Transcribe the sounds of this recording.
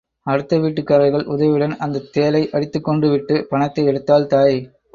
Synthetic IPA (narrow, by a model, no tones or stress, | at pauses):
ɐɽɯt̪ːɐʋiːʈːɯkːɐɾɐɪɣɐɭʔʊðɐʋɪɽɐnɐnd̪ɐt̪ːeːlɐɪʔɐɽɪt̪ːɯkːɔɳɖɯʋɪʈːɯpɐnɐt̪ːɐɪɛɽɯt̪ːaːlt̪aːj